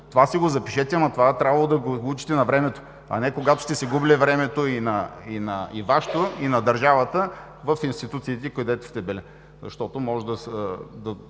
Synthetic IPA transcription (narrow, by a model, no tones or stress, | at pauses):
t̪ovasiɡozɐpiʃɛt̪ɛɐmɐt̪ovat̪ɾʲabvɐlˠod̪ɐɡoɡut͡ʃi̥t̪ɛnɐvɾɛmɛt̪o̥ | ɐ̰nɛkoɡat̪o̥st̪ɛsiɡubilivɾɛmɛt̪oinɐinɐivaʃt̪oinɐd̪ɐɾʒavɐt̪ə | vɐfinst̪it̪ut̪sit̪ɛkod̪ɛt̪o̥st̪ɛbɛlɛ | zɐ̰ʃt̪ɔt̪omɔʒd̪ɐd̪ɐ